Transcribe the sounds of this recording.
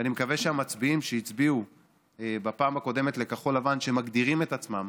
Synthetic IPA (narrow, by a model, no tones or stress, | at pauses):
animekaveʃeamat͡sbiimʃeit͡sbiu | ebapaːmako̞de̞me̞t̪le̞kaχo̞lavanʃemaɡd̪iʁime̞t̪at͡smam